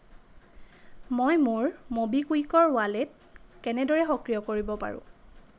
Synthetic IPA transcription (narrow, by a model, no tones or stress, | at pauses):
mojmʊɹmobikujkɔɹʊwalɛt̚ | kɛnɛdɔɹɛxɔkɹijɔkoɹibɔpa̰ɹʊ̰̃